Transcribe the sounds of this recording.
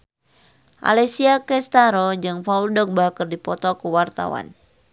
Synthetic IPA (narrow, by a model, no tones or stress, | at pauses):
ʔa̰lɛsiakɛst̪aɾɔd͡ʒɨŋfauldɔk̚bakərdipɔt̪ɔkəwart̪a̰wa̰n